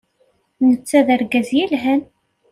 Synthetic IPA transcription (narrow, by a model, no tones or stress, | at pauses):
nət͡sːæðəɾɡæzjilɦæn